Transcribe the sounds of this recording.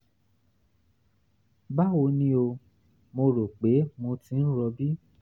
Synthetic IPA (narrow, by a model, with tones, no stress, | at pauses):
ba˦wo˧nĩ˦o˧ | mo˧ɾo˨k͡pe˨˦mo˧tĩ˧˦n̩˦ɾɔ˧bi˦